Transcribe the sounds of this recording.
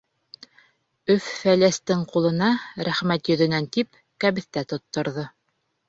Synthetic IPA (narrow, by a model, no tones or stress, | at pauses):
ɵfːælæst̪ɘɴqulˠɤ̆nɑɾæχmæt̪jɵ̆ðɵ̆nænt̪ip | kæβɘ̆θt̪æt̪ŏt̪ːŏɾðɤ